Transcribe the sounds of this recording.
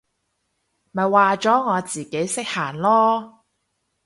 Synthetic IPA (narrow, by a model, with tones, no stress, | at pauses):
mɐ˨˩jwaː˨t͡sɔː˨˥ŋɔː˨˧t͡siː˨ke˨˥jsɪ˥k̚haː˨˩nlɔː˥